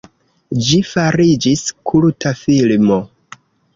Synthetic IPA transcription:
d͡ʒifaɾid͡ʒiskʰulutʰafilmo

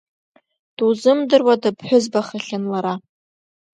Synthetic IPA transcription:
d̥uzɨmdɨrwadɨpʰħʷʊzbaχaɬʲɪnlaɾa

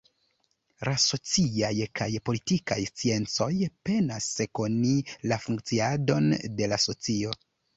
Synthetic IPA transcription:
laso̞t͡siajkajpo̞litika̰jst͡sie̞nt͡so̞jpe̞naseko̞nilafuŋk̚t͡siado̞nde̞laso̞t͡sio̞

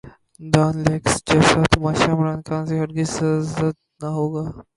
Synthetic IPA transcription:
d̪aːnleːksd͡ʒɛːsat̪ʊmaːʃaːmɾaːnkʰãːnseɦɐɽɡisɐzət̪̚ | naɦoːɡaː

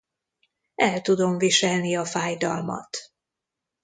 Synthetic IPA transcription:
ɛlt̪ud̪o̞mviʃɛlniɒfaːjd̪ɒ̰lmɒ̰t̪

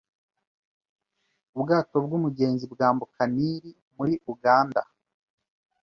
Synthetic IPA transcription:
ubɡaːto̞bɡumuɡe̞ːnzibɡaːmbukaniːɾi | muɾiʔuɡaːnda̰

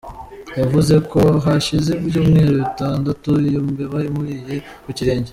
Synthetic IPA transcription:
javuze̞ko̞ɦaʃizeɾjuːmŋe̞ːɾoitaːndatuijoːmbeβaɾimuɾiːje̞ | kuciɾe̞ːɲɟe

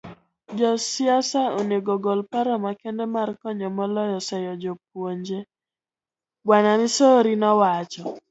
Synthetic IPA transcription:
d͡ʒɔsɪasaoneɡɔɡɔlpaɾɔmakɛndɛmarkɔɲɔmɔlɔjɔsɛjɔd͡ʒɔp̚woɲd͡ʒe | ɡwanamɪsoɾinɔwat͡ʃɔ

